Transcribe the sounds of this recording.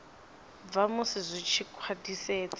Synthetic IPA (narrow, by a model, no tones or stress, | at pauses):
b̪vamʊsizʷit͡ʃʰikʰwadiseːt͡sʼ